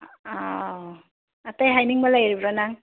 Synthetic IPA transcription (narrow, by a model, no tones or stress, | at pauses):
a | atajɦajniŋmalajɾibɾanaŋ